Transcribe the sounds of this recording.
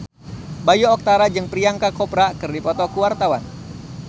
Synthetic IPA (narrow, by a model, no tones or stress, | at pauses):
bajoːk̚t̪aɾad͡ʒɨŋpɾiaŋkakɔpɾakɨrdipɔt̪ɔkuwart̪awan